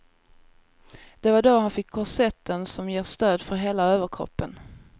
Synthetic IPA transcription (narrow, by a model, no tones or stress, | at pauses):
d̪̥ɛvaɖɔhanfɪkʰːɔʂɛt̪ːənsɔmjeːʂt̪øːd̪fœɾɦeːlaøːvəɾkʰɾɔ̰pːən